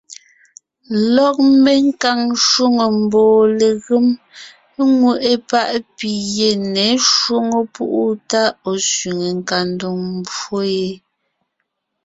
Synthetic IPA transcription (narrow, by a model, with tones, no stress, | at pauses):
lɔ˦˨k̚me˦ŋ˦ka˨ŋʃwo˦ŋo˨m̩˨bɔː˨le˨ɣɨ˦m˦ | ŋwu˦˨ʔe˦pa˦ʔpi˨je˨nɛ˨˦ʃwo˦ŋo˦pṵ˦ʔu˦ta˦o˨sɥi˨ŋe˨ŋ̩˨ka˨ndo˨ŋm˨bo˦je˦